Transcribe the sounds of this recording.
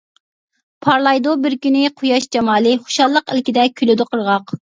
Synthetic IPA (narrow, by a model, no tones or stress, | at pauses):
pʰɑɾlˠɑjd̪obɪɾkʲynɪqʰʊjɑʃd͡ʒɑmɑːlˠɨχo̥ʃɑlˠːəqɪlkʲid̪ɛkʲʰylyd̪ʊqʰəɾʁɑq